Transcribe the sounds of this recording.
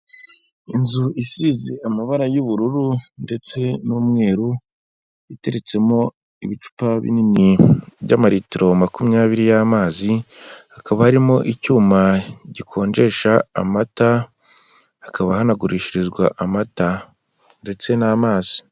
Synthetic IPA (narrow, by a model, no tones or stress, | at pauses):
inzuisizeamaβaɾajuβuɾuɾunde̞t͡se̞numŋe̞ːɾu | ite̞ɾe̞t͡se̞mo̞ | iβit͡ʃu̥paβḭniniβɟa̰maɾitiɾomakumɲaːβiɾijamaːzihakaβahaɾimo̞ʔicuːmaɟikʰo̞ːɲd͡ʒe̞ʃa̰ːmataː | kʰaβahanaɡuɾiʃiɾizɡwaʔamata | nde̞t͡se̞naːmaːz̥i̥